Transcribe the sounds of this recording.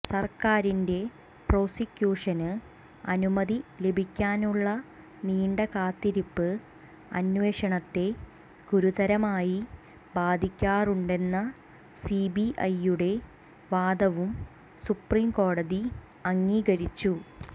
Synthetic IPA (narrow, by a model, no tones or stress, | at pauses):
sɐrkaːɾinde̞ | pro̞ːsikʲjuːʂɐnɨ | ɐnumɐðilebʱikʲːaːnuɭːɐ | niːɳɖɐkaːt̪ːiɾipːɨ | ɐ̰nweːʂɐɳɐt̪ːe̞ | ɡ̥uɾut̪ɐɾɐmaːji | baːd̪ʱikʲːaːruɳɖe̞nːɐ | sibiʔɐjːuɽe̞ | ʋaːd̪ɐʋum | supriːmko̞ːɽɐði | ɐŋːiːɡɐɾit͡ɕːu